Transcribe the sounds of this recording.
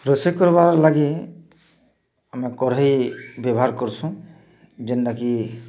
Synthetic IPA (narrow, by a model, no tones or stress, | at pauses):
pɾɔsekɔɾbaɾlaɡi | amɛkɔɾejbjɔbɔɦaɾkɔɾsʰũ | d͡ʒend̪aki